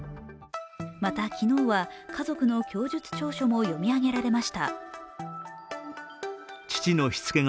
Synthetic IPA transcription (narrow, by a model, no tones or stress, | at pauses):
mat̪akʲino̞ːβakazo̞kɯ̟no̞kʲo̞ːd͡ʑɨt͡sɨ̥t͡ɕo̞ːɕo̞mo̞jo̞mʲiaɡe̞ɾaɾe̞maɕi̥t̪a | t͡ɕi̥t͡ɕino̞çi̥t͡sɨ̥ke̞ŋ